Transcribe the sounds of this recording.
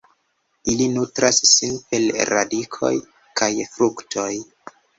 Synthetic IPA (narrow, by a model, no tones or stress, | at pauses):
ilinutɾasːinpelɾa̰dikʰo̞̰j | kʰajfɾuktʰo̞j